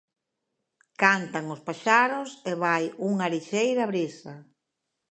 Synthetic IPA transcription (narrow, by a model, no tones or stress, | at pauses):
kant̪aŋʊspaʃaɾʊseβajuŋaɾiʃejɾaβɾisɐ